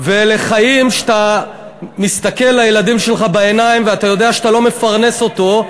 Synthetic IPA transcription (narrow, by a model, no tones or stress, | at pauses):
ve̞le̞χajimʃt̪a | mist̪ake̞lːajelad̪imʃelχabaenaimveat̪ajo̞d̪e̞aʃat̪alo̞me̞faʁne̞so̞t̪o̞